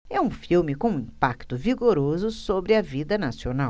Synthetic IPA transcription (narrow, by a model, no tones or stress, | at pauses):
ɛũfiwmɪkõũĩpakt̪ʊviɡoɾozʊsobɾɪɐvid̪ɐnasionaw